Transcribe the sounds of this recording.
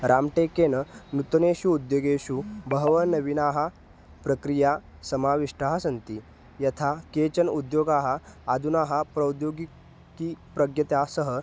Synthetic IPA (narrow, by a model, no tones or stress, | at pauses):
ɾamʈekenənut̪neɕuːd̪joːɡeɕubʱəɦʋənɐʋinaːɦa | pɾəkɾija | sɐmaːʋiʂʈaːɦasɐnt̪i | jɐt̪ʰaket͡ɕənud̪joːɡaːɦaːd̪unaːɦapɾɐwd̪joːɡi | kiːpɾɐɡjɐt̪jasəɦə